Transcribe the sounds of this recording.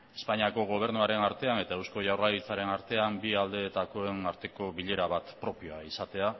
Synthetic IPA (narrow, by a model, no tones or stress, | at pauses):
e̞spaɲiako̞ɣ̞o̞β̞e̞ɾnuaɾe̞naɾt̪e̞ane̞t̪aewsko̞ʝawralit͡saɾe̞naɾt̪e̞ambiald̪e̞t̪ako̞e̞naɾt̪e̞ko̞βiʎe̞ɾaβat̪pɾo̞pio̞aisat̪e̞a